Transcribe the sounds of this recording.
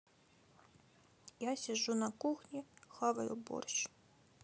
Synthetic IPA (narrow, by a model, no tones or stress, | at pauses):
jasʲɐʒunɐkuxnʲixɑʋɐ̰jʊ̰bɔ̰rʃ